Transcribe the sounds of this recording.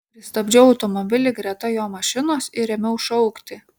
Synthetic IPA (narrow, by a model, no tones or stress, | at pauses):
pʲɾʲɪst̪ɐbʲd͡ʒʲɛʊɐʊt̪ɔmɔbʲɪlʲɪɡɾʲɛt̪ɐjoːmɐʃʲɪnoːsɪɾʲɛmʲɛʊʃɐʊkt̪ʲɪ